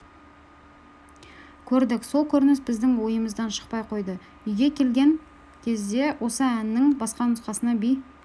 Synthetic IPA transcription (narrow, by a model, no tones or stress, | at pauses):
kʲʰɵɾd̪ɪkso̞lˠkʲʰɵɾnɪsbɪzd̪ɪŋwo̞jəməzd̪ɑnʃə̥q̚pɑjqʰo̞jd̪ə | ʏjɡʲe̞kʲʰe̞lɡʲe̞ŋ | kʲʰe̞zd̪e̞wʔo̞səænːɪŋbɑsqɑnʊsqɑsənɑbij